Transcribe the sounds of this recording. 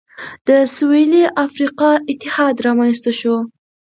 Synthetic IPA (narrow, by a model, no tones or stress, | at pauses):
d̪̥əsueliʔafɾiqɑɪt̪ːɪhɑd̪ɾɑmanst̪aʃo